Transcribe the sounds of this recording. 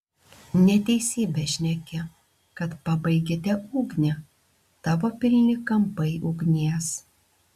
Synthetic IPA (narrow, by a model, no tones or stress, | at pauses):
nʲɛt̪ʲɛɪsʲiːbʲɛʃʲnʲɛkʲɛ | kɐt̪pɐbɐɪɡʲet̪ʲɛʔuːɡnʲɛ | t̪ɑːʋoːpʲɪlʲnʲɪkɐmpɐɪʔʊːɡnʲiɛs